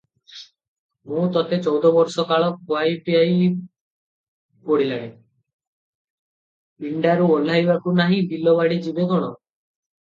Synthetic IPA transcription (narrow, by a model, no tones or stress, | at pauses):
mũt̪ɔt̪et͡ʃɔwd̪ɔbɔɾsɔkaɭɔkoajpiaj | poɽilaɽ̃e | iɳɖaɾuolaɦjbakunaɦĩbilɔβaɽid͡ʒibekɔɽ̃ɔ